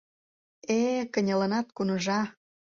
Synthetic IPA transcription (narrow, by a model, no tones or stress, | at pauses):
ekə̆nʲələ̆nɑt̪kunə̆ʒɑ